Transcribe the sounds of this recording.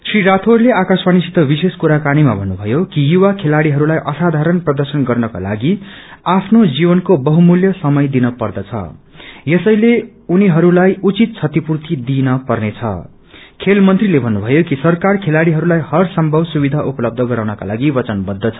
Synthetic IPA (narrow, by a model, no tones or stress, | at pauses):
sriɾat̪ʰorleakasbanisit̪ːʌbiseskuɾakanimabʱʌnːubʱʌjokijuwakʰelaɽiɦʌɾulajʔʌsad̪ʱaɾʌnprʌd̪ʌrsʌnɡʌrnʌka̰la̰ɡi | apʰnod͡zibʌnkobʌɦumuljʌsʌmʌjd̪inʌpʌrd̪ʌt͡sʰʌ̰ | jesʌjle | uniɦʌɾulajut͡sit̪̚t͡sʰʌt̪ipurt̪id̪inʌpʌrnet͡sʰʌ̰ | kʰelmʌnt̪rilebʱʌnːubʱʌjokisʌrkarkʰelaɽiɦʌɾulajhʌrsʌmbʱʌbsubid̪ʱaʔupʌlʌb̚d̪ʱʌɡʌɾawnʌka̰laɡibʌt͡sʌnbʌd̪ʱːʌt͡sʰʌ̥